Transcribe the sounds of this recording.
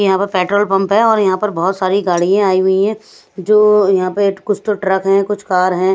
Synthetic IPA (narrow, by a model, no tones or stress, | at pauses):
jɐɦãpɐɾpɛːʈɾoːlpɐ̃mpɦɛ̃ɔːɾjɐɦãpɐɾbɔɦɔt̪saːɾiɡaːɽijãaːiɦʊiɦɛ̃ː | d͡ʒoːjɐɦãpekʊt͡ʃʰt̪oʈɾɐkɦɛ̃kʊt͡ʃʰkaːɾɦɛ̃